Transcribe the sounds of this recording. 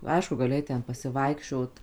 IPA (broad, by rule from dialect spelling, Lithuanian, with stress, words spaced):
ˈɐɪʃkʊ ɡɐˈlʲɪ ˈɐɪt ˈtʲɛn pɐsʲɪˈʋɐɪkʃʲt͡ʃʲoːt